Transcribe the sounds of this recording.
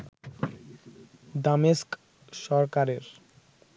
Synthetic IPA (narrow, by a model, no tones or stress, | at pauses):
d̪ameʃk | ʃɔɾkaɾeɾ